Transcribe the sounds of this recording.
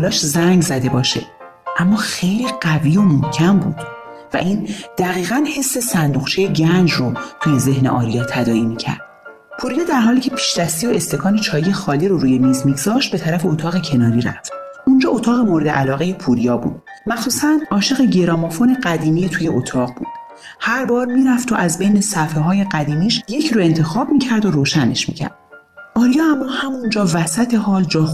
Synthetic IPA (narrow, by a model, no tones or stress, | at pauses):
lɒːʃzæŋɡzæd̪e̞bɒːʃe̞̰ | ʔæmːɒːxe̞jliːɢæviːo̞mohcʰæmbuːd̪̥ | væ̰ʔiːnd̪̥æɣiːɣænhe̞sːe̞sænd̪uɣt͡ʃʰe̞jeɟænd͡ʒrot̪ʰuje̞ze̞hne̞̰ʔɒ̰ːɾijɒːt̪ʰæd̪ɒːimicʰæ̰ɾd̪̥ | pʰuːɾijɒːd̪æɾɦɒːliːcʰe̞pʰi̥ːʃd̪æst̪ioe̞st̪e̞kʰɒːnet͡ʃʰɒːjijexɒːliːɾoɾuːje̞miːzmiɡz̥ɒːʃt̪̚bet̪ʰæɾæfe̞ot̪ʰɒːɣecʰe̞nɒːɾiɾæ̰ft̪ | ʔund͡ʒɒːot̪ʰɒːɣe̞moɾed̪eʔælɒːɣe̞jepʰuɾijɒːbṵːd̪̥̚ | mæxsuːsænɒːʃe̞ɣeɟeɾɒːmofo̞ne̞ɢæd̪iːmiːet̪ʰuːjeʔot̪ʰɒːʁbṵːd̪̥ | hæɾbɒːɾmiːɾæft̪ʰo̞ʔæzbejne̞sæfeɦɒːje̞ɢæd̪iːmiːʃje̞cʰɾoe̞nt̪ʰe̞xɒːbmiːcʰæɾd̪o̞ɾoːʃæne̞ʃmḭːcʰæ̰ɾd̪̥ | ɒːɾijɒːæmːɒːhæmund͡ʒɒːvæsæt̪ʰe̞ɦɒːld͡ʒɒːx